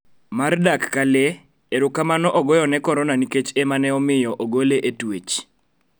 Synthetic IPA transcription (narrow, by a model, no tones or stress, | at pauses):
mardakːale | eɾʊkamanɔʔɔɡɔjɔnɛkɔɾɔnaniket͡ʃemanɛɔmɪjɔʔoɡoleʔetwet͡ʃ